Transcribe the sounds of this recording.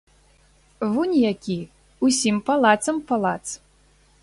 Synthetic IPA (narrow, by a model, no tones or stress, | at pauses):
vunʲjakʲi | usʲimpalˠat̪sɐmpalˠat̪s